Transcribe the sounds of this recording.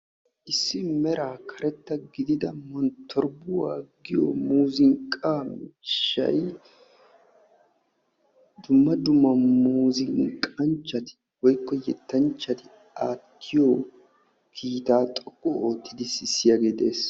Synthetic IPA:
ʔɪsːɪmɛɾaːkʰɐɾɛt̪ːɐɡɪd̪ɪd̪ɐmɔnt̪ʰːɔɾbʊwaːɡɪjo̰muːzɪŋkʼaːmʃːɐ̰j | d̪ʊmːɐd̪ʊmːɐmuːzɪŋkʼɐnt͡ʃːɐt̪ɪ̥ | wɔjkːɔjɛt̪ːɐnt͡ʃːɐt̪ɪ | aːt̪ʰːɪjoː | kʰiːt̪aːt̪ʼɔkʼːɔoːt̪ːɪd̪ɪsɪsːɪjaɡeːd̪e̞ːs

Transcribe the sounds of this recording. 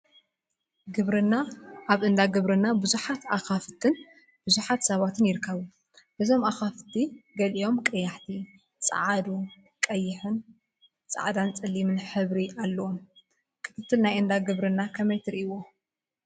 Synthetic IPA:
ɡɨβɾɨnːaːβʔɨnd̪aɡɨβɾɨnːabɨzuħat̪axafɨt̪ʰɨn | b̥ɨzuħat̪sɐβat̪ʰɨnjɪɾɨkʰːɐβu | bɨzo̞maxaft̪ʰiɡɐlio̞mkʼɐjːaħt̪ʰi | t͡sʼɨ̰ʕad̪u | kʼɐjːɪħɨn | t͡sʼa̰ʕad̪ant͡sʼɨlːimɨnħɨβɾiʔalːɐwo̞m | kʰɨ̥t̪ʰɨt̪ʰːɨlnajɨnd̪aɡɨβɾɨnːakʰɐmɐjt̪ʰɨɾɨʔwo

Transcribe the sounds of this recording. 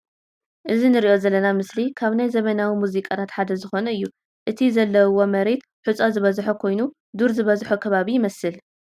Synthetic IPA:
ʔɨzinɨɾiʔo̞zɐlːɐnamɨslikʰaβnajzɐmɐnawimuzikʼat̪ʰat̪ħad̪ɐzɨxo̞nɐɨjːu | ʔɨt̪ʰizɐlːɐwːo̞mɐɾe̞t̪ | ħut͡sʼozɨβɐzħokʰo̞jnu | d̪uɾzɨβɐzħokʰɐβaβijɪmɐsɨl

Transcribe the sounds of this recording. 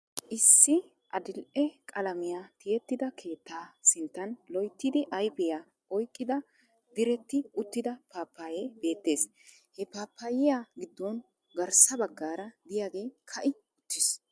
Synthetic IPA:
ʔɪsːɪ | ʔɐd̪ɪlʔɛkʼɐlɐmɪjaːt̪ɪjɛt̪ːɪd̪ɐkʰe̞ːt̪ːaːsɪnt̪ːɐnlɔjt̪ːɪd̪ɪʔɐjbɪjaː | ɔjkʼːɪd̪ɐ | d̪ɪɾɛt̪ːɪʊt̪ːɪd̪ɐpaːpːaːjebe̞ːt̪ːe̞ːs | hɛpaːpːaːjɪjaːɡɪd̪ːɔn | ɡɐɾsɐbɐɡːaːɾɐd̪ɪjaːɡe̞ːkʰɐʔɪ | ʊt̪ːɪs

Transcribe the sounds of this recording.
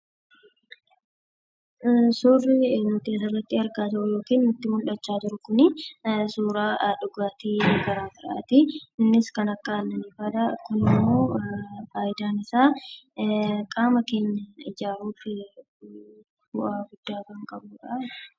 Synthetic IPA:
sʊːrɪnʊt̪eːsɪrːɐt̪ːɪhɐɾkaːt̪ɐʔʊjo̞ːkiːnnʊt̪ːɪmʊlᶑɐt͡ʃːaːd͡ʒɪɾʊkʊnɪsuːɾaːᶑʊɡaːt̪iːɡɐɾaːfɪɾʔa̰ːt̪ɪɪnːɪskɐnɐkːɐnːɐnɪfaᶑ̪ɐkʊnɪmːo̞ːfaːjɪd̪aːnɪsaː | kʼaːmɐke̞ːɲːɐɪd͡ʒaːɾuːfɪ | bʊʔaːɡʊd̪̥ːaːkɐŋkʼɐbuːᶑa

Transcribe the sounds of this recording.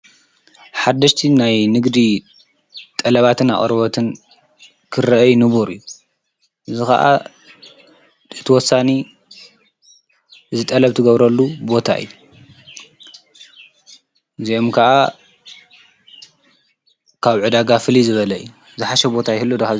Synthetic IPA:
ħad̪ɐʃt̪ʰinajnɨɡd̪i | t̪ʼɐlɐβat̪ʰɨna̰χʼɾɨβɐt̪ʰɨn | kʰɨɾɐʔɐjnɨβuɾɨ̰jːu | ʔɨzixɐ̰ʔa̰ | ɨt̪ʰɨwɔsːani | ʔɨzɨt̪ʼɐlɐβt̪ʰɨɡɐβɾɐlːubo̞t̪ʰa̰ʔɨ̰jːu | zio̞mkʰɐʔa | kʰaβʕɨd̪aɡafɨlizɨβɐlɐɨjːu | zɨħaʃɛbo̞t̪ʰajɪhɨlːɨd̪uxa

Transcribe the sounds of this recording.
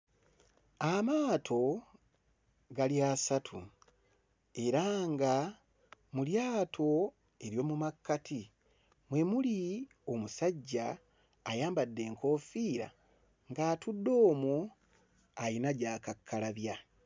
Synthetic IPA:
amaːtʰo̞ | ɡaliaːsatʰu | e̞ɾaŋɡa | muljaːtʰo̞ | e̞ɾjo̞ːmumakːatʰi | mwe̞muli | o̞musaɟːaː | jaːmbadːe̞ːŋkʰo̞ːfiːɾa̰ | ŋɡaːtudːo̞ːmu | ajinaɟaːkakʰːalaβja

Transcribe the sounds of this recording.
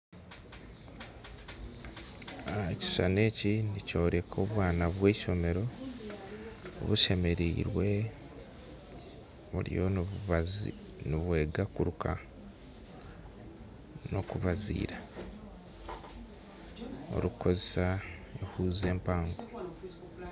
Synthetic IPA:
ci̥ʃane̞ːcinico̞ːɾe̞kʰo̞ːβwaːnaβwe̞ːʃo̞me̞ɾo̞ | o̰βuʃe̞me̞ɾiːɾwe̞ | βṵɾḭjo | niβwe̞ːɡakuɾukʰa | no̞kuβazḭːɾa | o̰ɾuko̞zesae̞huːze̞ːmpaːŋɡo

